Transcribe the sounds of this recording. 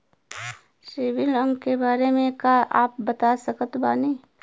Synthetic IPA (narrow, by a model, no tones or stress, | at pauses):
sɪʋɪlə̃ŋɡkebaːɾemẽkaʔaːp̚bɐt̪asəkət̪baːneː